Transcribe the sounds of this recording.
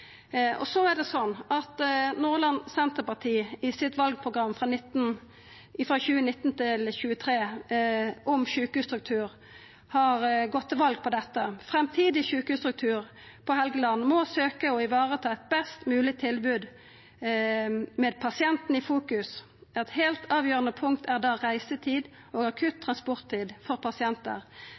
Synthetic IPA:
ɔ̰sɔæʁɖ̪ɛsɔnːɑt̪nuːʁlɑnsɛnt̪əpɑt̪ʰiːɪsɪt̪ʋɑlɡ̚pʰʁʊɡʁɑmːfʁɑːnɪt̪n | ɪfʁɑçʉːənɪt̪ːnt̪ʰɪlçʉːət̪ʰɾeː | ʔɔmçʉːkəhʉːst̪ɾʉk̚t̪ʰʉːɾ | hɑʁɡɔt̪ːəʋɑlɡ̚pʰɔd̪ɛt̪ːəfɾɛmt̪ʰiːd̪ɪçʉːkhʉːst̪ʰɾʉk̚t̪ʰʉːʁ | pʰɔɦɛlɡəlɑnmɔsøːkəɔɪʋɑːʁət̪ʰɑːɛt̪̚bɛst̪mʉːlɪt̪ʰɪlbʉːd̪ | mɛːd̪̚pʰɑsɪɛnt̪n̩ifuːkʉs | ɛt̪heːlt̪ʰɑːʋjøːʁənəpʰʊŋkt̪ʰæʁd̪ɑːʁæɪsət̪ʰiːd̪ | oːɡɑkʰʉt̪ʰːʁɑnspɔʁt̪ʰːiːd̪fɔʁpʰɑsɪɛnt̪ə̰ʁ

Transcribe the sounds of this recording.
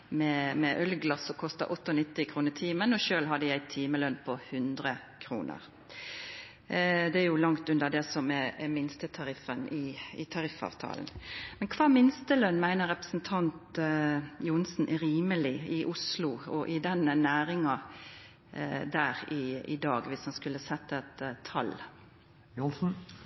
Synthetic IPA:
mɛmɛʔœlɡlɑsɔkʰɔst̪ɑ̰ʔɔt̪ːəɔnɪt̪ːɪkʰɾuːnət̪ʰiːmənɔʃøːlɦɑd̪ːəjæɪt̪ʰiːməlœnpʰɔhʉnd̪ɾə | kʰɾṵːnʔə̰ɾ | d̪ɛæɾjʊlɑŋt̪ʉnd̪əd̪ɛsɔmɛɛmɪnst̪ət̪ʰɑɾɪfːənɪɪt̪ʰɑɾɪfɑ̰ːʋt̪ʰɑ̰ːln̩mɛnkʰʋɑːmɪnst̪əlœnːmæɪnəʁɛpə̥sn̩t̪ʰɑnt̪ | juːnsn̩ʔɾiːməlɪɪʔʊslʊɔʔɪd̪ɛnnæːɾɪŋɑ | d̪æːʁɪɪ̰d̪ɑːɡʋɪshɑnskʉlːəsɛt̪ːɛt̪ʰːɑ̰l | jnsn̩

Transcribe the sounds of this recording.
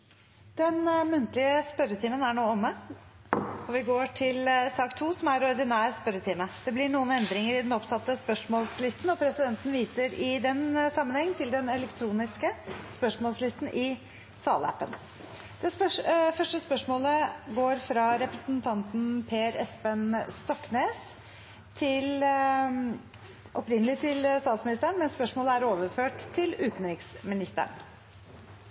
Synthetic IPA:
d̪̥ɛnmʉnt̪lɪəspœɾət̪ʰiːmənæɳoːɔmːə | ɔʋɪɡoːʈʰɪlsɑːkt̪ʰuːsɔmæɾɔɾd̪ɪnæːɾspœɾət̪ʰiːməd̪̥ɛblɪɳuːənɛnd̪ɾɪŋəɾɪd̪ɛnɔpsɑt̪ːəspœʂmɔːlslɪst̪nɔpʰɾɛsɪd̪ɛnt̪n̩ʋiːsəɾɪd̪ɛnsɑmːənhɛŋːnt̪ʰɪld̪ɛnɛlɛkt̪ʰɾuːnɪskəspœʂmɔːlslɪst̪n̩ʔɪ | sɑ̰ːlæ̰pːə̰n | d̪̥ɛsœfœʂʈəspœʂmoːləɡoːɾfɾɑɾɛpɾəsnt̪ʰɑnt̪n̩pʰeːɾɛspənst̪ɔkːneːs | t̪ʰɪl | ʔɔpɾɪnəlɪt̪ʰɪlst̪ɑːt̪smɪnɪst̪əɳmɛnspœʂmoːləæɾoːʋəɾføːʈt̪ʰːɪlʉːt̪nɾɪksmɪnɪst̪ə̰ɳ

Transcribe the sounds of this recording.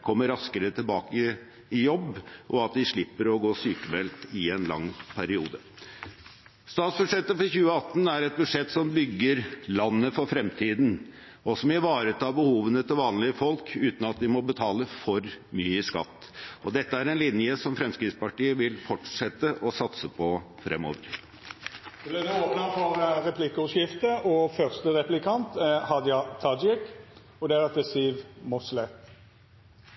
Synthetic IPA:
kʰɔmːəɾɑskəɾət̪ʰɪlbɑːkə | ɪjɔbːʔɔɑt̪̚d̪ɪʂɭɪpːəɾɔɡoːsyːkəmbɛlt̪ɪɛnlɑ̰ŋːpʰæɾɪuːd̪ə | st̪ɑːt̪sbʉʂɛt̪ːəfɔɾçʉːəɑt̪ːn̩æɾɛt̪̚bʉd̪ʂɛt̪ːsɔmbʏɡːəɾlɑnːəfɔɾfɾɛmt̪ʰiːd̪n̩ | ɔsɔmɪʋɑːɾət̪ɑːbəhuːʋənət̪ʰɪlʋɑːnlɪəfɔlkʰʉːt̪n̩ɑt̪ʋ̪ɪmɔbət̪ʰɑːləfɔɾmyːəskɑ̰t̪ːɔd̪ɛt̪ːəæɾɛnlɪnjəsɔmfɾɛmskɾɪt̪spɑʈiːəʋɪlfɔʈʂɛt̪ːəʔɔsɑt̪səpʰɔfɾɛ̰mːo̰ːʋəɾ | blɛd̪ɛoːpnɑfɔɾɾɛpʰlɪkəʉʂɪft̪əʔɔfœʁst̪əɾɛplɪkʰɑnt̪hɑd̪jɑt̪ʰɑd͡ʒɪk | ɔd̪ɛæɾɑt̪̚d̪ɛsiːʋmʊslɛ

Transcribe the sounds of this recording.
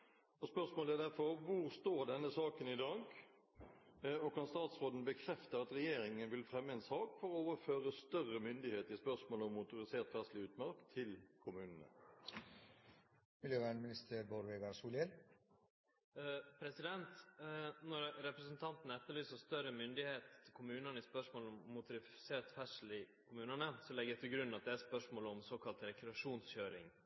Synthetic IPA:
ɔspœʁsmoːləæd̪æʁfɔɾʋʊɾst̪oːɾɖ̪ɛnːəsɑːkənɪd̪ɑːɡ | ɔkʰɾɑnst̪ɑːt̪sʁoːd̪nəbəkʰɾɛft̪əɾɑt̪ɾɛjeːɾɪŋənʋɪlfɾɛmːəɛnsɑːkfɔʁɔoːʋəɾføːɾəst̪œrəmʏnd̪ɪheːt̪ɪspœʁsmoːlɔmːʊt̪ʊɾɪseːʁt̪ʋæʁslɪʉːt̪mɑɾkt̪ʰɪlkʰʊmʉːnənə̰ | mɪljøːʋæːɳmɪnɪst̪əɾboɾʋeɡɑɾsuːljɛl | pʰɾɛsɪd̪ɛnt̪nɔɾɾɛpɾəsənt̪ʰɑnt̪n̩əɛt̪ːəɭyːsəst̪œɾəmʏnd̪ɪheːt̪ʰːɪlkʰʊmʉːnənəɪspœʂmoːlɔmːʊt̪ʊɾɪseːɾt̪fɛʂl̩ɪkʰʊmʉːnənəsɔlɛɡəjæt̪ʰɪlɡɾʉnːɑt̪̚d̪ɛæspœʂmoːləɔmsoːkʰɑlt̪ɾɛkɾɛɑʂuːnsçøːɾɪ̰ŋ

